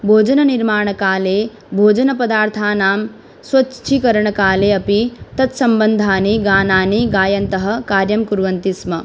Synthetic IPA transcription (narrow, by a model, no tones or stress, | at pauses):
bʱoːd͡ʒɐnɐniɾmaːɳɐkaːleː | bʱoːd͡ʒɐnɐpɐd̪aːɾt̪ʰaːnaːm | swɐt͡ʃʰikɐɾɐɳɐkaːleːɐpit̪ɐt̪sɐmbɐnd̪ʱaːniɡaːnaːniɡaːjɐnt̪ɐɦɐ̆kaːɾjɐmkuɾʋɐnt̪ismɐ